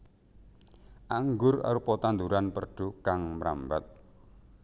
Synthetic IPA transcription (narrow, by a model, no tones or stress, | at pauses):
ʔaŋɡʊra̰ɾupɔt̪and̪uɾanpərɖ̥ṳkaŋmɾa̰mba̰t̪̚